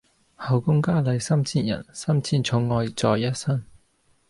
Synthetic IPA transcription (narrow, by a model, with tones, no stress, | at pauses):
hɐ˨˧wkʊ˥ŋkaː˥lɐ˨˧jsɐː˥mt͡sʰiː˥njɐ̰˨˩nsɐ˥mt͡sʰiː˥nt͡sʰʊ˨˥ŋːɔː˧jt͡sɔː˨˧jːɐ˥t̚sɐ˥n